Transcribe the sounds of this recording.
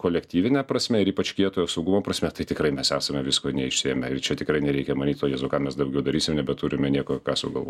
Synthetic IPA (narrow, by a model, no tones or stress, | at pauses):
koːlʲɛkt̪ʲiːʋʲɪnʲɛprɐsʲmʲɛɪɾiːpɐt͡ʃʲkʲiɛt̪oːjoːsɐʊɡʊmoːprɐsʲmʲɛt̪ɐɪt̪ʲɪkrɐɪmʲɛsæːsɐmʲɛʋʲɪskoːnʲɛɪʃʲsʲɪɛmʲɛɪrt͡ʃʲɛt̪ʲɪkɾɐɪnʲɛɾʲɛɪkʲɛmɐnʲiːt̪toːjeɛːzoːkɑːmʲɛsd̪ɐʊɡʲɛʊd̪ɐɾʲiːsʲɪmnʲɛbʲɛtuːɾʲɪmʲɛnʲiɛkoːkɑːsʊɡɐlˠʋo̰ː